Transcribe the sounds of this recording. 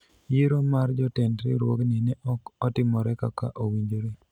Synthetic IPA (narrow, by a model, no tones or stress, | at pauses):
jiɾomaɾd͡ʒɔtɛndɾɪ̰ɾwo̰ɡnɛnɛɔɔtɪmɔɾɛkaka̰ʔowiɲd͡ʒoɾi